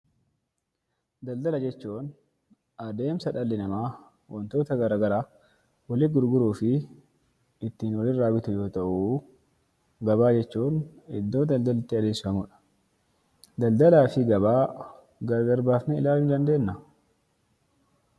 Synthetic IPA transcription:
d̪ɐld̪ɐlɐd͡ʒɛt͡ʃːuːn | ɐd̪e̞ːmsɐᶑɐlːɪnɐmaː | wɔnt̪o̞ːt̪ɐɡɐɾaːɡɐɾaː | wɐlɪɡʊɾɡʊɾuːfɪ | ɪt̪ːiːnwɐlɪraːbɪt̪ʊjo̞ːt̪ɐʔu | ɡɐbaːd͡ʒɛt͡ʃːuːnɪd̪ːo̞ːd̪ɐld̪ɐlɪt̪ːɪɐd̪eːsɐmʊᶑɐ̥ | d̪ɐld̪ɐlaːfɪɡɐβaː | ɡɐɾɐɡɐɾbaːfnɛɪlaːlnd̪ɐnd̪e̞ːnːɐ

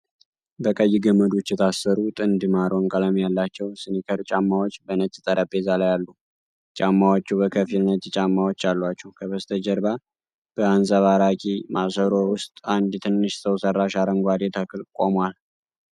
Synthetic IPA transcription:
bəkʼəjːɪɡəmːəd̪ot͡ʃːjɛt̪ʰasːəɾut̪ʼɨnd̪ɨmaɾoŋkʼələmjalːat͡ʃːɛwsɨnikʰəɾt͡ʃʼamːawot͡ʃːbənət͡ʃʼːit̪ʼəɾʔəbezalajalːu | t͡ʃʼamːawot͡ʃːubəkʰəfilnət̪jɛt͡ʃʼamːawot͡ʃːalːwat͡ʃːɛwkʰəβəst̪ʰəd͡ʒəɾba | b̥əansʼəβaɾakʼimʔasəɾo̞wʊst̪ʼand̪jɛt̪ʰɨnːɨʃsəwsərːaʃaɾəŋɡʷad̪et̪ʰakʰɨlkʼomwal

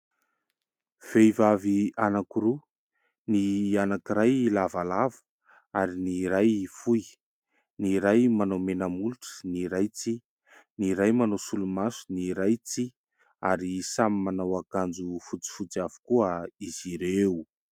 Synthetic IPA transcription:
v̥ejvavianakuɾu | nianakiɾajlavalavə̥ | aɾiniɾajfuj | niɾajmanomenəmuluʈ͡ʂə̥niɾajt͡si | niɾajmanosulumasu̥niɾajt͡si | aɾisamimanawakand͡zufut͡si̥fut͡siavu̥kuəiziɾewu

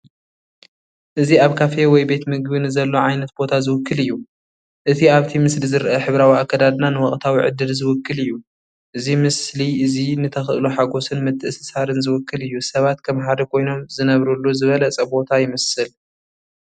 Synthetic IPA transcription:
ʔɨziaβkʰafewɔjbe̞t̪mɨɡbɨnɨzɐlːoʕajnɐt̪b̥o̞t̪ʰazɨwʊkːɨlɨjːu | ʔɨt̪ʰiaβt̪ʰimɨslizɨɾʔɐħɨβɾawiakːɐd̪ad̪nanɨwɐkʼt̪ʰawiʕɨ̰d̪ɨlzɨwʊkːɨlɨjːu | ʔɨzimɨsliʔɨzinɨt̪ʰɐxʔɨluħaɡo̞sɨnmɨt̪ʰːɨʔsɨsaɾɨnzɨwʊkːɨlɨjːusɐβat̪kʰɐmħad̪ɐkʰo̞jno̞mzɨnɐβɾulːuzɨβɐlɐt͡sʼɐbo̞t̪ʰajɪmɐsɨl

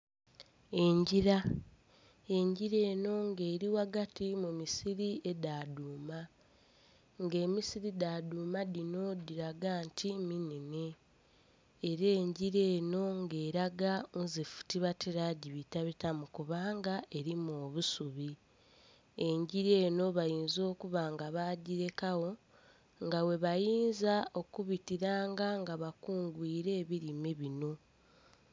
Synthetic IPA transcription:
e̞ɲɟiɾa | e̞ɲɟiɾe̞ːno̞ŋɡe̞ːɾiwaɡatimumisiɾiʔe̞daːduːma | ŋɡe̞ːmisiɾidaduːmadino̞diɾaɡaːntʰiminine | ɾeːɲɟiɾe̞ːno̞ŋɡeːɾaɡauzefu̥tiβatʰeɾaɟiβitaβitamukuβaːŋɡae̞ɾimoːβusuβi | e̞ɲɟiɾeːno̞βajiːnzo̞ːkuβaŋɡaβaːɟiɾe̞kawo̞ | ŋɡawe̞βajiːnzao̞kuβitiɾaːŋɡaŋɡaβakuːŋɡwiːɾe̞ːβiɾimeβino̞

